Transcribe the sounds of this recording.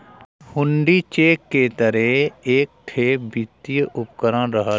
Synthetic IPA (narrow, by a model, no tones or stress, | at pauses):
hʊ̃ɳɖit͡ʃeːkːet̪əɾeeːk̚ʈ̪ʰeːbit̪ijʔʊpkəɾãɾəɦa